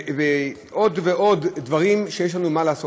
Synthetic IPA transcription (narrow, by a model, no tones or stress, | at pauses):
ve | ʔo̞dveʔo̞d̪dvaʁimʃejeʃ̬lanumalaːso